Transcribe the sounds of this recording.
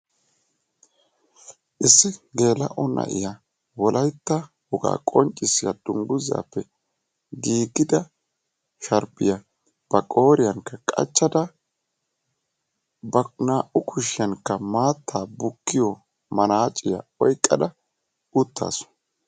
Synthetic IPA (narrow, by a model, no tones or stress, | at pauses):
ʔɪsːɪɡe̞ːlɐ̰ʔɔnʔɐ̰ʔɪ̰ja | wɔlʔɐjt̪ːɐ | hʊɡa̰ːkʼɔnt͡ʃʼːɪsɪjɐd̪̥ʊŋɡʊza̰ːpːɛ | ɡiːɡɪd̪ɐ | ʃɐɾbɪjɐ | b̥ɐkʼo̞ːɾɪjɐŋkːɐkʼɐ̰t͡ʃːɐd̪ɐ | bɐnaːʔʊkʰʊʃɪjɐŋkːɐmaːt̪ʰːaːbʊkːɪjɔ | mɐnaːt͡ʃʼːɪjɐ̰ɔjkʼːɐd̪ɐ | ʊt̪ːa̰ːsɔ̥